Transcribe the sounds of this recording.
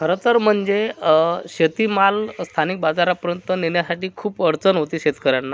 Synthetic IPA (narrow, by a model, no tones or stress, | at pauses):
kʰəɾət̪əɾm̤əɳd͡zeɕət̪imalst̪ʰanik̚bad͡zaɾapəɾjənt̪ənenjasaʈiːkʰuːpəɽt͡sənɦot̪iːɕet̪kəɾjanːa